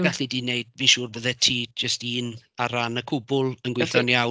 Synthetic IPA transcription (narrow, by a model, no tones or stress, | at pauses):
ɛɬidiːneɨd̥viːʃuːrbəðɛtʰiːd͡ʒəstiːn | aɾanəkʰʊbʊlˠənɡwɪθɔnja